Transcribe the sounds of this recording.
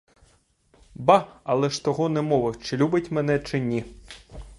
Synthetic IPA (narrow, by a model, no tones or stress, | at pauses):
bɑɐlˠɛʃt̪ɔɦɔnɛmɔʋɪwt͡ʃɪlʲubɪtʲmɛn̪ɛt͡ʃɪnʲi